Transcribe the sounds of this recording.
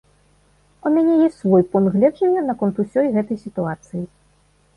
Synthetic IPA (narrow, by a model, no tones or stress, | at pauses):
umʲanʲɛjɛsʲsvɔjpɔnɣlʲɛd̪ʐɛwʲɛnɐkɔnt̪usʲɔjɣɛt̪ɐjsʲit̪uat̪sɨji